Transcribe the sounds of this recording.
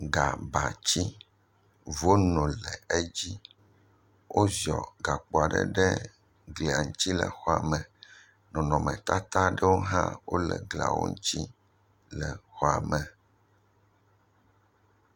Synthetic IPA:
ɡa˨ba˨t͡ɕi˦ | vo˦nɔ̃˨lɛ˨e˦d͡ʑi˦ | wʔo˦zɔ˨ɡa˨k͡po˨a˨ɖɛ̰˦ɖɛ˦ | ɡli˨a˨ŋu˦t͡ɕi˦lɛ̰˨xɔ˨a˨mɛ̃˨ | nɔ̃˨nɔ̃˨mɛ̃˨t̪a˦t̪a˦ɖɛ˦wo˦ɦã̰˦wo˦lɛ˨ɡla̰˨wo̰˦ŋ˦t͡ɕi˦ | lɛ˨xɔ˨a˨mɛ̃˨

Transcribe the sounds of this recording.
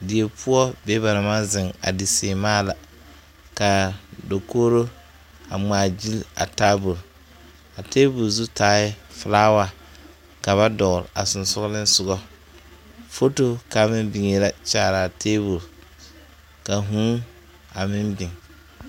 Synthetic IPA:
dɪ˨e˨pʊ˦ɔ˦be˦ba˨ɾa˨ma˦zɪ˨ŋa̰˨dɪ˨seː˨maː˦˨la˨ | ka˨do˨koː˦ɾo˦ | a˨ŋ͡maː˨d͡ʒi˦la̰˨taː˦bu˨l | a˨teː˦bu˨lzu˦taː˦ɪ˦flaː˦wa˦˨ | ka˨βa˦dɔ˨ɣɾa˨sʊ˨n˨sʊ˦ɣlɪ˦n˦sʊ˨ɡɔ˦ | fo˦to˦ka˨mɪ˦mbɪ˨ŋe˨la˨t͡ʃaː˨ɾa˨teː˦bu˨l | ka˨ɦũ˦ | a˨mɪ˦mbɪ˨ŋ

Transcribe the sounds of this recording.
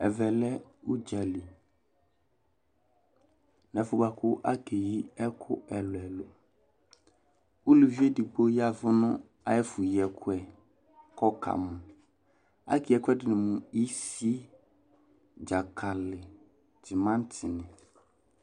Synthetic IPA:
ɛ˨vɛ˨lɛ˦u˦d͡ʒa˨li˨ | nɛ̃˨fʊ˨ba˨kʰʊ˦ʔa˦ke˨ji˦ɛ˦kʰʊ̰˦ɛ˨lʊ˨ɛ˨lʊ˨ | u˦lu˨vi˦e˦di˨ɡ͡bo˦ja˨vʊ˦nʊ̃˦ | a˨jɛ˦fʊ˨ji˨ɛ˨kʰʊ˦ɛ˨ | kʰɔ˦kʰa̰˨mʊ̃˨ | a̰˦kʰi˨ɛ˨kʊ˦ɛ˦dɪ˨nɪ̃˨mʊ̃˨i˦si˦ | d͡ʒa˨kʰa˨lɪ˨ | tɪ˨mã˦n˦tʰɪ˨nɪ̃˨

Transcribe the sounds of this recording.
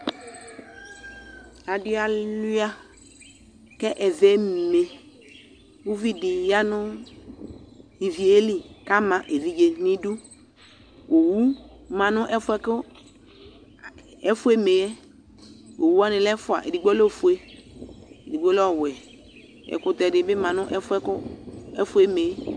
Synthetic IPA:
a˨dʊ˨˦a˨lu˦a˦ | kɛ˦ʔɛ˨vɛ˦me˨ | wu˦vi˦di˨ja˦nʊ˦ | i˨vi˨e˦li˨ka˦mã˨ʔe˨vi˦d͡ʒe˨nĩ˦du˦ | o˨wu˦mã˨nʊ̃˦ʔɛ˦fʊ˦ɛ˦kʊ˦ | ɛ˦fu˦e˦me˨jɛ˦ | o˨wu˦a˦nɪ̃˨lɛ˦fʊ˨a̰˨ʔḛ˨di˨ɡ͡bɔ˦lo˦˨fu˨e˦ | e˨di˨ɡ͡bɔ˦lɔ˦˨wɛ˨ | ɛ̰˨kʊ˨tɛ˨dɪ˨˦bɪ˦mã˨nʊ̃˦ʔɛ˦fʊ˦ɛ˦kʊ˦ɛ˦fʊ˦e˦me˨˦

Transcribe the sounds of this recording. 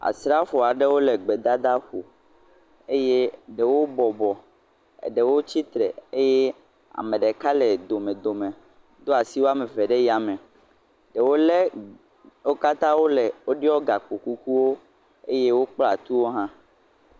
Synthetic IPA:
a̰˨sɾa˦fɔ˨a˨ɖe˦wo˦le˨ɡ͡be˨d̪a˦d̪a˦ɸo˨ | e˦je˦ɖe˨wo˦bɔ˨bɔ˨ | ḛ˨ɖe˨wo˦t͡ɕi˦t̪ɾɛ̰˨e˦jɛ˦ | a̰˨mẽ˨ɖe˨ka˦lɛ˨d̪o˨mẽ˨d̪o˨mẽ˨ | d̪o˦a˨si˦wo˦a˦me˨vɛ˨ɖe˦ji˦a˨mɛ̃˨ | ɖe˨wo˦le˦ | wo˦ka˦t̪ã˦wo˦lɛ˨wo˦ɖi˦ɔ˦ɡa˨k͡po˨ku˦ku˦wo˦ | ḛ˦je˦wo˦k͡pla˨t̪u˦wo˦ɦã˦

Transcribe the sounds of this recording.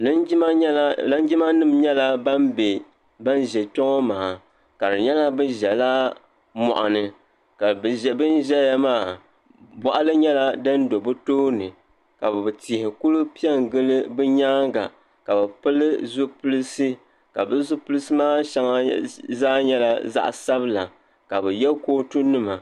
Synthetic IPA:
nɨ˦a˦la˦n˦d͡ʒi˦ma˦nɨ˦mɲɛ˦la˦ba˦mbe˨ | ba˦nʒɛ˨tɔ˦ŋɔ˦maː˨ | ka˨dɨ˨ɲɛ˦la˦bɨ˦ʒɛ˨la˦ | mɔ̰˨ʔa̰˨nɨ˨ | ka˨bɨ˨ʒɛ˨bɨ˦n˦ʒɛ˦ja˦maː˦˨ | bɔ˨ʔa˦lɨ˦ɲɛ˦la˦dɨ˦n˦do˨bɨ˦toː˦nɨ˨ | ka˨bɨ˨bti˨hɪ˨ku˦lu˦pi˦ɛ˦ŋ˨ɡɨ˦lɨ˦bɨ˦ɲaː˦ŋɡa̰˨ | ka˨bɛ˨pɨ˦lɨ˦zʊ˦pu˦lɨ˦sɨ˦ | ka˨bɨ˦zʊ˦pʊ˦lɨ˦sɨ˦maː˦ʃa˦ŋa˦zaː˦ɲɛ˦la˦za̰˦ʔsa˦bɨ˦la˨ | ka˨bɨ˨jɛ˦lkoː˦tu˦nɨ˦ma˨

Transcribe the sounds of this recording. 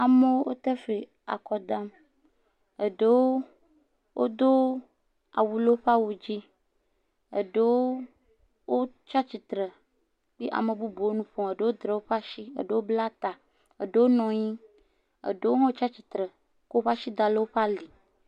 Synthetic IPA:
a˨me˦wo˦wo˦t̪e˦fe˨ | a̰˨kɔ˨d̪a˦m | e˨ɖe˦wo˦ | wʔo˦d̪o˦ | a̰˨wu˨le˦ɸa˦wu˨d͡ʑi˦ | ḛ˨ɖe˦woo˦ | wo˦ | t͡ʃa˦t͡ɕi˨t̪ɾe˨ | k͡pi˦ʔa̰˨me˨bu˦bo˨wo˦nũ˦ɸɔ̃˨e˨ɖe˦wo˦d̪ɾe˨wo˦ɸa˦ʃi˦ḛ˨ɖe˦wo˦bla˦t̪a˨ | ḛ˨ɖe˦wo˦nɔ̃˨ɲĩ˦ | ḛ˨ɖe˦wo˦ɦɔ̃˦t͡ʃa˦t͡ɕi˨t̪ɾɛ˨ | ko˦o˦ɸa˦ʃi˦d̪a˨le˦wo˦ɸa˦li˨

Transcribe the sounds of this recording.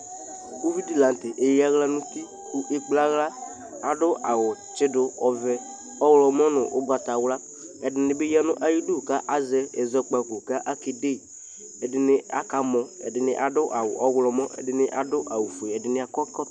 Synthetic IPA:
do˦vi˦di˨la˨n˨tɪ˨ʔe˨ja˦ɣla˦nʊ̃˦t̪i˦ | ku˦ʔe˦k͡pla˦ɣla˦ | a˨dʊ˦ʔa˨wʊ˨t͡ʃɪ˦dʊ˦ɔ˨vɛ˨ | ɔ˦wlɔ˨mɔ˦nʊ˨ʔʊ̰˦ba˨ta˨wla˦ | ɛ˨dɪ˨nɪ˨be˦ja˦nʊ̃˦ʔa˦ji˦du˦˨ka˦ʔa˦zɛ˦ɛ˨zɔ˦k͡pa˨kʊ˨ka˦ʔa˦ke˨de˦˨ | ɛ˨dɪ˨nɪ˦a̰˦ka˨mɔ̃˨ɛ̰˨dɪ˨nɪ̰˨ʔa˨dʊ˦ʔa˨wʊ̰˨ʔɔ˦wlɔ˨mɔ̃˦ʔɛ̰˨dɪ˨nɪ˦ʔa˨dʊ˦ʔa˨wu˨fu˨e˨ɛ˨dɪ˨nɪ˦a˨kɔ˦kɔ˦

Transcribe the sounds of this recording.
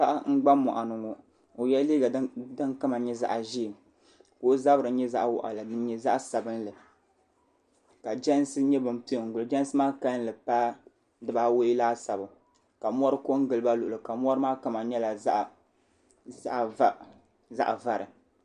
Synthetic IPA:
pa˦ʔŋ̩˦ɡ͡ba˦mːɔ̰˨ʔa˨nʊ˨ŋo˨ | o˨jɛ˦liː˦ɡa˨dɨ˦ŋkɨ˦ma˨ɲɛ˦za̰˨ʔʒi˦˨m | ko˦za˦bɨ˨ɾɨ˨˦ɲɛ˦za˦ʔwɔ̰˨ʔa̰˨la˨dɨ˦ɲɛ˦za˦ʔsa˨bɨ˦n˦lɨ˨ | ka˨d͡ʒɛ˦n˦sɨ˦ɲɛ˦bɨ˨m˨pi˦˨ŋ̩˨ɡʊ˨lɨ˨d͡ʒɛ˦n˦sɨ˦maː˦ka˦n˦lɨ˨pa˦ | dɨ˦ba˦wo˦i˦laː˦sa˨bʊ˨ | ka˨m˦ɔ˦ɾɨ˦ko˦ŋ˦ɡɨ˨lɨ˦ba˦lʊ˨ʔʊ˨lɨ˨ka˨m˦ɔ˦ɾɨ˦maː˦ka˦ma˨ɲɛ˦la˨za˦ʔ | za˦ʔva˦˨ | za̰˦ʔva˦ɾɨ˨

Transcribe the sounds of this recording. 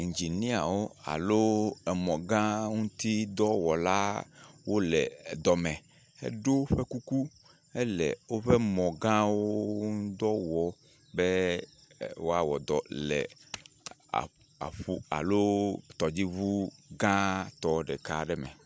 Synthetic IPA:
i˨ɲ˨d͡ʒi˨nĩ˦a˨wo˦a̰˨lo˦ɛ˨mɔ̃˨ɡã˦ŋũ˦t̪i˦d̪ɔ˦wɔ˨la˦wʔo˦lɛ˨d̪ɔ˨mɛ̃˨ | ɛ̰˦ɖo˦ɸɛ˦ku˦ku˦ | ɛ˦lɛ̰˨wo˦ɸɛ˦mɔ̃˨ɡã˦wo˦d̪ɔ˦wɔ˨ | bɛ˦ | wo˦a˦wɔ̰˨d̪ɔ˨lɛ̰˨ | a̰˨ | a̰˨ɸu˦a̰˨lo˦t̪ɔ˨d͡ʑi˦βu˦ɡã˦t̪ɔ˦ɖɛ˨ka˦ɖɛ˦mɛ̰˨

